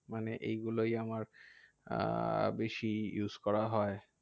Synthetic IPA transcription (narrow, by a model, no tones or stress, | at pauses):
maneʔḛjɡulojamaɾ | beʃijuzkɔɾaɦɔe